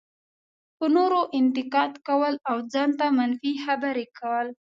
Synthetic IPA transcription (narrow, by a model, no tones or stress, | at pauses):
pənoɾoʔɪnt̪ɪqɑd̪kawəlawd͡zɑnt̪amanfixabaɾekawəl